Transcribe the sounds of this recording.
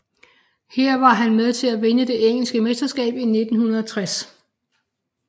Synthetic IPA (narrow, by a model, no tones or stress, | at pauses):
heɐ̰ʋɑ̈ɦænmeð̞ˠt͡sʰe̝læʋenəd̥e̝ʔeŋ̰l̩sɡ̥əmesd̥ɐsɡ̥ɛ̰ːb̥ine̝d̥n̩hunɐð̞ˠɒt͡sʰʁas